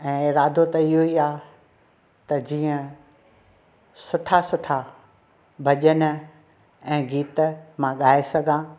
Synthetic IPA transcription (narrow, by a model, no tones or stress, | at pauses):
ɛ̃ːɪɾaːd̪ʱot̪ɐɪɦuiaː | t̪ɐd͡ʑiːə̃ | sʊʈʰasʊʈʰa | bʱɐʄənʊ̆ | ɛ̃ːɡiːt̪mãɠaːesɐɡʱãː